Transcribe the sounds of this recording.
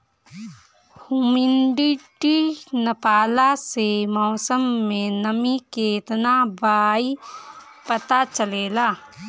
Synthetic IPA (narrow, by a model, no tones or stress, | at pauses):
humiɳɖiʈinəpaːlasemɔːsəmːẽnəmiket̪nabʱaːi | pət̪at͡ʃəleːlaː